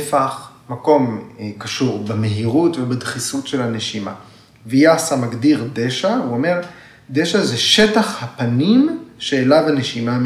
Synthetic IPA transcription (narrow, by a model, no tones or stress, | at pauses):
faχ | mako̞mkaʃuʁbemeɦiʁutvebad̪χisutʃelhane̞ʃima̰ | vijasamaɡdiʁdeʃauome̞ʁ | d̪eʃazeʃetaχhapanimʃeːlabane̞ʃima